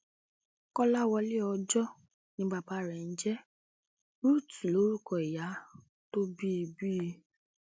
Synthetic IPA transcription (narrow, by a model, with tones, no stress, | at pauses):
kɔ˦la˦˨wɔ˧le˦ɔ˧d͡ʒɔ˦ | nĩ˧˦ɡ͡ba˧˨ba˨˦ɾɛ˨n̩˦d͡ʒɛ˦ | ɾu˦˨tu˨lo˨˦ɾu˦˨kɔ˨i˨ja˨˦ | to˦bi˦˧bi˦˧